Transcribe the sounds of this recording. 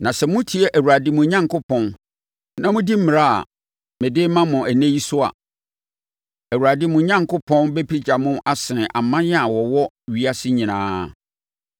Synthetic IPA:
nã˨sɛ˨mʊ̃˦tʰi˨˦ɛ˦ʔæ˨wu˨ɾa˨dɪ˨mʊ̃˨ɲã˦ŋkʊ˦pʰɔ̃˦n | nã˦mʊ̃˦di˦m̩˦mɪ̃˨ɾa˦a̰˨ | mɛ̃˨dɪː˦mã˦mʊ̃˨ʔæ˨nẽ˦ji˦sʊ˦a̰˨ | æ˨wu˨ɾa˨dɪ˦mʊ̃˨˦ɲã˦ŋkʰʊ˦pʰɔ̃˦nbe˦pʰi˦d͡ʑa˨mʊ̃˦ʔa˦sɪ˨ʔa˨mã˦jɛ˦a˨wɔ˨wɔ˦ | ɥi˦a˦sɪ˦ɲĩ˨nã̰ː˦˨

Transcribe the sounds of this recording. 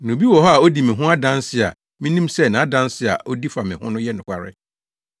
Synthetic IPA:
nʊ̃˨bi˦wɔ˨ɦɔ˦a˨o˦di˨mɪ̃˨ɦʊ̃˦a˦dã˦nsɪ˦a̰˨ | mĩ˦nĩ˦msɛ˦˨nã˨˦dã˦nsɪ˦a̰˨ʔo˦di˦fa˨mɪ̃˨hʊ̃˦nʊ̃˦jɛ˦nʊ̃˨kʷa˨ɾɪ̰˦

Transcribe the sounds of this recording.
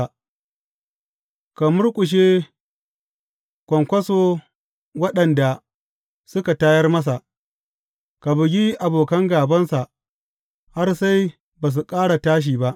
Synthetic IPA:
ka˨mʊ˦rkʷʼʊ˨ʃ̬eː˦ | kʷɔ˨ŋkʷɐ˦so˦ | wɐ˦ɗɐ˨nda˨ | sʊ˦ka˨taː˦jɐ˦rmɐ˦s̬a˨ʔ | ka˨bɪ˨ɡʲi˦ʔa˨boː˨kɐ˦ŋɡaː˨bɐ˦nsa˨ʔ | ha˦rsa˦j | baː˨s̬u˨kʼaː˦ɽa˨taː˦ʃ̬iː˨ba˦ʔ

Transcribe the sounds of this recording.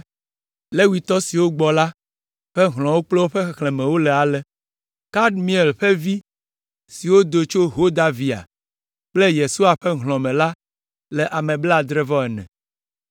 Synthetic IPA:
le˦wi˨t̪ɔ˦si˨wo˦ɡ͡bɔ˨la˦ | ɸɛ˦ɦl̃ɔ̃˨wo˦k͡plɛ˦wo˦ɸe˦xxlɛ̃˨mɛ̃˨wo˦lɛ˨a˨lɛ˨ | ka˦ɖmĩ˨˦e˨lɸɛ˦vi˦ | si˨wo˦d̪o˨t͡ʃo˦ɦo˦d̪a˨vi˨a̰˨ | k͡ple˦je˨su˦a˨ɸɛ˦ɦlɔ̃˨mɛ̃˨la˦ | lɛ˨ʔa˨mɛ̃˨bla˦˨d̪ɾe˦vɔ˦ɛ˨nɛ̰̃˨

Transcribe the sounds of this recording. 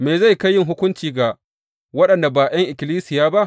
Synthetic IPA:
meː˨za˦˨jka˦jːɪ˦ŋɦʊ˦kʷʊ˦nt͡ʃiː˨ɡa˨ | wɐ˦ɗɐ˨nda˨baː˨j̰ɐ˦ŋʔɪ˨kʲɪ˨liː˦sɪ˨jaː˦ba˦ʔ

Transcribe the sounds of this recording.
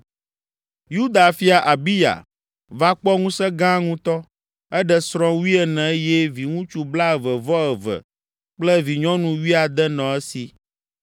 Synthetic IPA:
ju˦d̪a˨fi˦a˨ʔa˨bi˦ja̰˨ | va˦k͡pɔ˦ŋũ˦sɛ˦ɡã˦ŋũ˦t̪ɔ˦ | ɛ˦ɖɛ˨sɾɔ̃˦wi˦ɛ˨nɛ̃˨˦jɛ˦vi˨ŋũ˦t͡ʃu˨bla˦ə˨və˨vɔ˦ɛ˨və̰˨ | k͡plɛ˦vi˨ɲɔ̃˦nũ˨wi˦a˨d̪ɛ˦nɔ̃˨ɛ˦si˨

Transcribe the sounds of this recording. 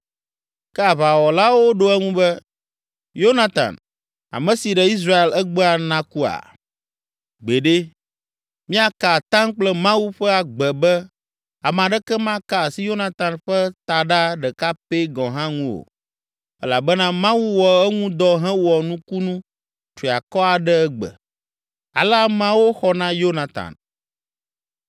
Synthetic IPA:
kɛ˦a˨βa˨wɔ˨la˦wo˦ɖo˦ɛ˦ŋũ˦bɛ˦ | jo˦nã˨t̪ã̰˨n | a̰˨mɛ̃˨si˨ɖɛ˦i˦s̬ɾa˦e˨lɛ˦ɡ͡bɛ˦a˨nã˦ku˦a̰˨ | ɡ͡be˨ɖe˦ | mĩ˦a˨ka˨t̪ã˦ŋk͡plɛ˦mã˦wu˦ɸɛ˦a˨ɡ͡bɛ˨bɛ˦ | a˨m˨ã˨ɖɛ˦kɛ˦mã˦ka˨si˦jo˦nã˨t̪ã˨nɸɛ˦t̪a˨ɖa˦ɖɛ˨ka˦pe˦ɡɔ̃˨ɦã˦ŋũ˦wo̰˨ | ɛ˦la˨bɛ˦nã˦mã˦wu˦wɔ˨ɛ˦ŋũ˦d̪ɔ˦ɦɛ̃˦wɔ˨nũ˦ku˦nũ˦ | tɾi˨a˨kɔ˦a˨ɖɛ˦ɛ˦ɡ͡bɛ̰˨ | a̰˨la˦mã˦wo˦xɔ˦nã˦jo˦nã˨t̪a̰˨n

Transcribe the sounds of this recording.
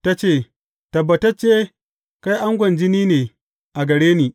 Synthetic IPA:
ta˦t͡ʃeː˦˨ | tɐ˨bːɐ˨tɐ˦t͡ʃːeː˦ | ka˦jʔa˦ŋɡʷɐ˨nd͡ʒɪ˦niː˦neː˨ | ʔa˨ɡɐ˨ɽeː˦niː˨

